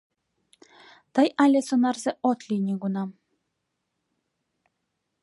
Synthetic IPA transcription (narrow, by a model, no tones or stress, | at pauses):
t̪ɤjɑlʲesonɑrzeʔot̪lʲinʲiɡunɑ